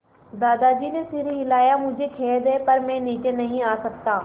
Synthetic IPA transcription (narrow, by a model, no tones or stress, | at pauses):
d̪aːd̪ad͡ʒiːnesɪɾiɦɪlaːjamʊ̃ɦd͡ʒʱekʰeːd̪epɐɾmɛ̃ːniːt͡ʃenɐɦĩaːsɐk̚t̪aː